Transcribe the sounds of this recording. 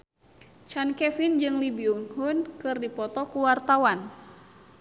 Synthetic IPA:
t͡ʃankɛfind͡ʒɨŋlibiuŋhunkɨrdipɔt̪ɔkuwart̪awan

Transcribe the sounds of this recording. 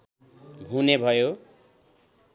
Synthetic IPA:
bʱunebʱʌjo

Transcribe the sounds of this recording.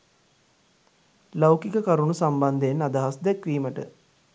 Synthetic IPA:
lawkikəkaɾunusamband̪eːnad̪aɦasd̪ɛkʋiːməʈə̰

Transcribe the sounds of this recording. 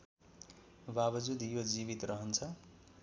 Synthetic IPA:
babʌd͡zud̪jod͡zibit̪rʌɦʌnt͡sʰʌ

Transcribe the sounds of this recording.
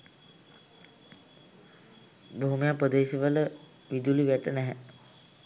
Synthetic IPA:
boɦumijapɾəd̪eːʃiʋələ | ʋid̪uliʋæʈənɛɦæ

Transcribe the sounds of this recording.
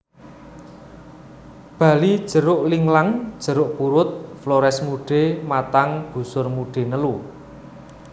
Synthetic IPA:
b̥a̤lid̥ʒ̥ə̤ɾʊʔliŋlaŋd̥ʒ̥ə̤ɾʊʔpuɾʊt̪̚flɔɾɛsmuɖ̥e̤mat̪aŋb̥ṳsʊrmuɖ̥e̤nəlu

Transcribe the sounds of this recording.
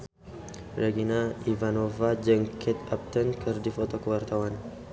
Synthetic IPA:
ɾeɡinaivanovad͡ʒəŋkʰet̪ap̚t̪ʰənkʰɨɾd̪ifot̪ʰokɨwəɾt̪ʰawan

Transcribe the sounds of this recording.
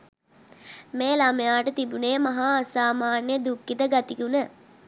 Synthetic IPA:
meːlaməjaːʈət̪ibuneːmaɦaːsaːmaːnjəd̪ukːit̪əɡat̪ikunə

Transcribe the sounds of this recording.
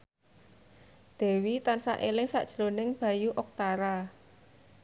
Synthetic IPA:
d̪̥e̤wit̪ansa̰ʔelɪŋsa̰ʔd̥ʒ̥ɾonɪŋb̥a̤juʔɔk̚t̪aɾa

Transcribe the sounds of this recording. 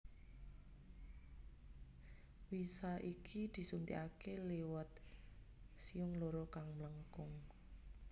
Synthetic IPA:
wisaʔikʰid̪̥i̤sunt̪ḭʔakelewət̪̚ | siʊŋloɾɔkaŋmləŋkʊŋ

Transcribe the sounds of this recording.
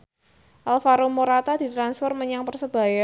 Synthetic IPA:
ʔalfaɾomoɾat̪ad̪̥i̤t̪ɾansfɔrməɲaŋpərsəb̥a̤ja

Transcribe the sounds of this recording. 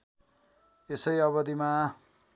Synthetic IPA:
esʌjʌβʌd̪ima

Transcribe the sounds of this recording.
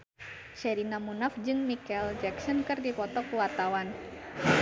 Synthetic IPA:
t͡ʃɛɾinamunafd͡ʒɨŋmikɛld͡ʒɛksɔnkɨrdipɔt̪ɔkuwart̪awan

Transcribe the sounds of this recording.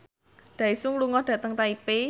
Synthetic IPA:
ɖ̪̥a̤isuŋluŋɔhɖ̥ä̤t̪əŋt̪aipe

